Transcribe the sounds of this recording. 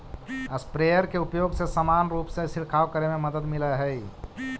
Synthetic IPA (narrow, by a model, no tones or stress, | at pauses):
əspɾejəɾkeupjoɡsẽsəmanɾupsẽsiɾkʰawkəɾememəd̪əd̪miləɦəj